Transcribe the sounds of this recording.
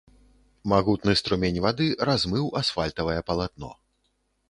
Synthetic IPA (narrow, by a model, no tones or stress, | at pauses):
maɣut̪nɨst̪ɾumʲenʲvad̪ɨɾazmɨwasfalʲt̪ɐvɐjɛpɐlˠat̪̚nɔ̰